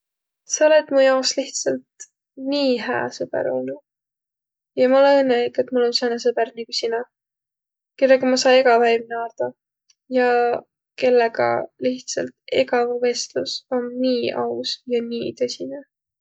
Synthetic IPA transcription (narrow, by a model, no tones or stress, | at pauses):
sɑo̞le̞t̪mujɑosliht̪sɑlt̪ | niːɦæ̰ːsɤb̥ḛɾojnu | jɑmɑolenɤnːeiket̪ːˑmulːoni̥senesɤb̥ernikusinɑ | ke̞lːeɡɑmɑsɑjeɡ̥ɑvæjmneɑːt̪ɑ | jɑ | ke̞lːeɡɑ̰liht̪sɑlt̪e̞ɡɑvve̞st̪luso̞nːiːɑusjɑniːt̪ɤ̞sʲine